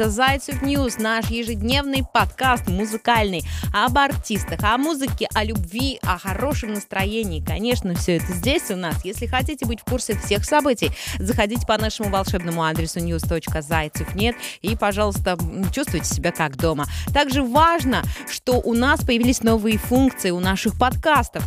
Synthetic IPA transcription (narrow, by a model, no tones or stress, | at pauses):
əzajt̪sɨfnʲjusnaʂjɪʐɨdʲnʲe̞vnɨjpɐt̪kast̪mʊzɨkalʲnɨjɐbɐrtʲist̪əxɐmuzɨkʲɪʔɐlʲʊbvʲiɐxɐɾo̞ʂɨmnəst̪ɾɐjenʲɪːkɐnʲe̞ʂnəfsʲɵɛt̪əzʲdʲesʲʊnasjesʲlʲɪxɐtʲitʲɪbɨtʲfkursʲɪfsʲe̞xsɐbɨtʲɪjzəxɐdʲitʲɪ̥pɐnaʂɨmʊvɐlˠʂɛbnəmʊad̪ɾʲɪsʊnʲjust̪o̞t͡ɕkəzajt̪sɨfnʲe̞t̪ipɐʐɑlˠʊst̪ət͡ɕust̪vʊjtʲɪ̥sʲɪbʲakaɡd̪o̞mət̪aɡʐɨvaʐnəʂt̪o̞ʔʊnaspəjɪvʲilʲɪsʲno̞vɨjəfunkt̪sɨɪʊnaʂɨxpɐt̪kast̪əf